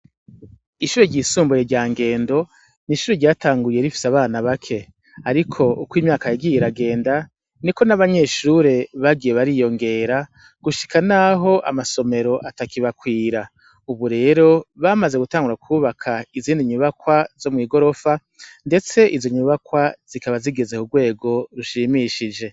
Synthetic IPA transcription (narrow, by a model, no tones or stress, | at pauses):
iʃuːɾeɟiːsuːmbujeɾɟaːŋɡe̞ːndo̞ | niːʃuːɾeɾɟaːtaːŋɡuɾije̞ɾifi̥seaβaːnaβakʰe̞ | aɾikʰo̞ukwiːmɲaːkajaɡiːjiɾaɡe̞ːnda | niko̞naβaɲe̞ʃuɾe̞βaɡijeβaɾiːjo̞ŋɡe̞ːɾa | ɡ̥uʃi̥kanaɦo̞ʔa̰maso̞me̞ɾo̞ʔatakiβakwiːɾa | uβuɾe̞ːɾo̞βamaze̞ɡutaːŋɡuɾakʰuːβakʰaiziːndiɲuβakwazo̞mŋiːɡo̞ɾo̞fa | nde̞t͡se̞ʔizo̞ɲuβakwaz̥ikaβaziɡe̞ze̞kuɡwe̞ːɡo̞ɾuʃiːmiʃid͡ʒe̞